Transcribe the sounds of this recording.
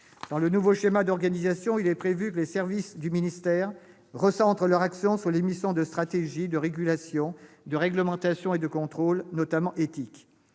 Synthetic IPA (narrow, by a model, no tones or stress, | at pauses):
d̪̥ɑ̃lənuvoʃemad̪ɔʁɡanizasjɔ̃ilɛpχevykəlesɛʁvisd̪yminist̪ɛːʁ | ʁəsɑ̃t̪χəlœʁaksjɔ̃sulemisjɔ̃d̪əst̪χat̪eʒid̪əʁeɡʲylasjɔ̃d̪əʁɛɡləmɑ̃t̪asjɔ̃ed̪əkɔ̃t̪χolnɔt̪amɑ̃ʔet̪ik